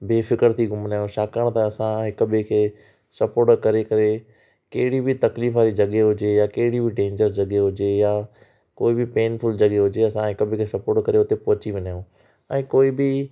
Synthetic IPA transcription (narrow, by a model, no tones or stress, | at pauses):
beːfɪkəɾt̪ʰiɡʱʊmnaːjõʃaːkəɽ̃t̪ɐɐsãɦɪkəbʱekʰeː | sɐpoːɾʈkɐɾekɐɾe | keɦɪɽibʱɪt̪ɐkliːfaːɾid͡ʑɐɠeɦʊd͡ʒejakeɦɪɽibʱiɖẽːɲd͡ʑəɾd͡ʑɐɠeɦʊd͡ʒeja | koːibɪpeːnfʰʊld͡ʑɐɠeɦʊd͡ʒeɐsãɦɪkəbʱẽkʰeːsɐpoːɾʈkɐɾeʊt̪epɔɦʊt͡ɕiʋɪ̃naːjõ | ɛ̃ːkoːibɪ